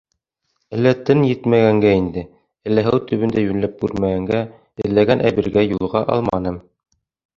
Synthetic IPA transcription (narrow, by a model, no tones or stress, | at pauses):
ælːæt̪ɘnjɘt̪mæɡæŋɡæind̪ɘ | ɘ̆lːæɦɘwt̪ʰɵ̆βɘ̆nd̪æjʉnlæp̚kʉɾmæɡæŋɡæ | ɘ̆lːæɡænʔæβɘ̆ɾɡæjulˠʁɑʔɑ̰lˠmɑnɤm